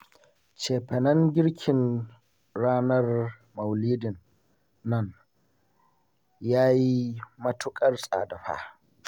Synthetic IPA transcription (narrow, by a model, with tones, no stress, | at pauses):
t͡ʃeː˨ɸɛ˨nɐ˦ŋɡʲɪ˦ɽkʲʰɪ˨n | ɽaː˦nɐ˦r | mɐ˨wliː˦dɪ˨nː | ɐ˦n | jaː˦ji˦mɐ˦tʊ˦kʼɐ˦rsʼa̰ː˨da˨ɸa̰ː˦